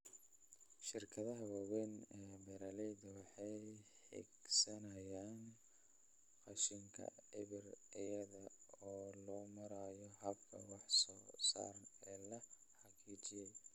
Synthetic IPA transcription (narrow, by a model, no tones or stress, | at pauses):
ʃɪrkʰɐðɐɦɐwɑwɛnɛːbɛɾɐlɛjdɐwɑħɑj | ħɛ̰ɡsɐnɐjaːn | qɑʃɪŋkʰɐ̰ɪβɪrɪjɐðɐɔːlɔːmɐɾaːjɔɦɐbkʰɐ̰wɑħsɔːsa̰ːɾɐnɛːlɐ | ħɑqiːt͡ʃɪjɛj